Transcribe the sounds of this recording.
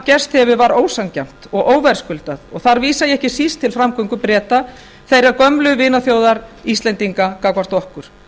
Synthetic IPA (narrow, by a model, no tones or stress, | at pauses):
cɛst̪hɛvʏvaɾoːwsaŋcɛm̥t̪ɔɣʔoːwvajɾ̥skʏlt̪aðɔɣθaɾviːsajɛɛhcɪsist̪ʰːɪlfɾamkʰʏŋkʏpɾɛːt̪a | θejɾakœmlʏvɪːnaθjoːwðaɾist̪lɛnt̪iŋkakakvar̥t̪ɔhkʏɾ̥